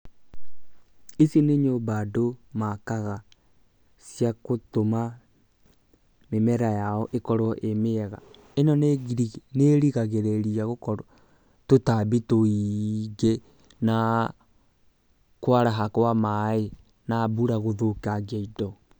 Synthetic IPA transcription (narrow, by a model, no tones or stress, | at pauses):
esineɲobadomakaɣa | sjakotoma | memɛɾajaɔʔekɔɾwɔʔemeɛɣa | enɔn | neɾiɣaɣeɾeɾiaɣokɔɾɔ | totabitoiɡe | na | kwaɾaɦakwamae | nabuɾaɣoðokaɡɛidɔ